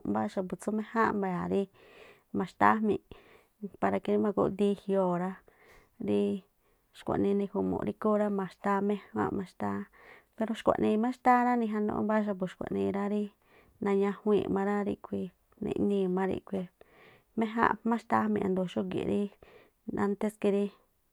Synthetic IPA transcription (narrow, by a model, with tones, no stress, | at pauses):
mba˦ʃa˧p̬u˨t͡su˦mẽ˦hã˦ʔmbe˧˨a˨ɾi˦ | mã˨˧ʃt̪a˦mḭ̃˧˨ | pa˧ɾa˧ki˧ɾi˦mã˧kṵ˧˦d̪i˦hi˧o˧˨ɾa˦ | ɾi˦ | ʃkʷa̰˨ʔnĩ˧nĩ˧hu˧mõ̰˨˧ɾi˧ko˦ɾa˦mã˨ʃt̪a˦mẽ˦hã̰˦mã˧ʃt̪a˦pe˧ɾo˧ʃkʷa̰˨ʔnĩ˧mã˦ʃt̪a˦ɾã˦nĩ˧ɦa˧nõ̰˧ʔõ̰˦ba˦ʃ̬a˧p̬u˨ʃkʷa̰˨nĩ˧ɾa˦ɾi˦ | nã˧ɲã˧hwḭ̃ː˧˨mã˧ɾa˦ɾi˧kʷi˧ | nḛ̃˧ʔnĩ˧mã˦ɾḭ˧kʷi˧ | mẽ˦ɦã̰˦mã˦ʃt̪a˦mĩ˧ʔã˧nd̪o˨˧ʃo˦kḭ˨˧ɾi˦ | ã̰˧˦nt̪e˦ski˧ɾi˦